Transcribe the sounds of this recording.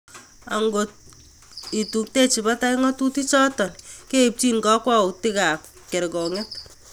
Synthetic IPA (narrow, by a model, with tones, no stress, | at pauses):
a̰˨ŋɡo | i˨tu˨kte˦t͡ʃi˨ba˦ta˦iŋɔ˦tu˦ti˦t͡ʃɔ˦tɔ˨nke˦p̚t͡ʃi˦nka˦kwa˦uti˦ka˨p̚ | kɛ˨ɾkɔ˨ŋɛ˦t̚